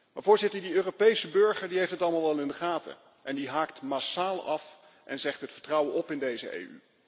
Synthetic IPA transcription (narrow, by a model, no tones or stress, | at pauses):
maːvoːɹzɪtəɹdiøːropejsəbɵɹχəɹdiejftətɑləmalˠʋɑlˠɪndəχaːtʰə̰ | ʔɛndiɦaːktmaːsaːlˠɑf | ʔɛnzɛχtɦətfəɹtrʌwənɔpɪndejzə̰ʔḛjy̰